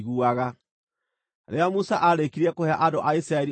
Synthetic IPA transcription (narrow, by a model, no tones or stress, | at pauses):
ɣuaɣa | ɾeamusaʔaɾekiɾiɛkohɛaʔadoʔaisɾaɛɾi